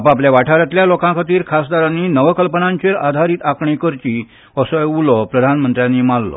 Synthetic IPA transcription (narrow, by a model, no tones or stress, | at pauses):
apapljaʋaʈʰaɾjat̪ljalokãkʰat̪iːɾkʰasd̪aɾanːiːnəʋəkəlpənãɲt͡ɕeɾad̪ʱaɾiːt̪akɳikəɾt͡ɕi | əsɔulɔpɾəd̪ʱanmənt̪ɾjãnːimalːɔ̰